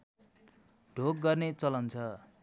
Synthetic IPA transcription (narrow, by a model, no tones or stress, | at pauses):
ɖʱok̚ɡʌrnet͡sʌlʌnt͡sʰʌ